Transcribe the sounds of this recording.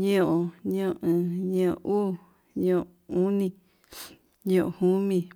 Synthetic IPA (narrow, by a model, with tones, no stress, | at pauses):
ɲõ˦ʔõ˧ɲõ˦˨˧ʔɨ̃˨ɲõ˧˦o̰˧ʔuː˦ | ɲõ˧˨ | ũ˦nĩ˧˨ | ɲõ˧ʔo̰˨hũ˦mĩ˧